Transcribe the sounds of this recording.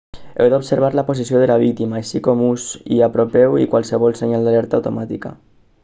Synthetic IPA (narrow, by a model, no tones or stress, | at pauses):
ḛwd̪opseɾβ̞aɾlapos̬isioðelaβ̞ik̚t̪imaasikɔmuzḭapɾopɛwikwalˠsəβ̞ɔlˠseɲalˠd̪alɛɾt̪awt̪omat̪ika̰